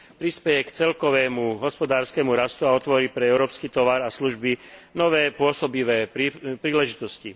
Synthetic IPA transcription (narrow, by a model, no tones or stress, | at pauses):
pɾispɛjɛkt͡sɛlkɔʋɛːmuɦɔspɔd̪aːɾskɛmuɾast̪uaɔt̪ʋɔɾipɾɛɛʊɾɔːpskiːt̪ɔʋaɾasluʒbinɔʋɛːpʊɔsɔbiʋɛːpɾipɾiːlɛʒit̪ɔscḭ